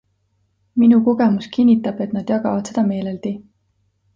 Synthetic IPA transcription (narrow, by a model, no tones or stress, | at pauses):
minuko̞ɡ̥e̞muskinʲːit̪ːˑɑb̥e̞t̪nɑd̪̥jɑɡɑvɑd̪se̞d̪̥ɑme̞ːleld̪̥i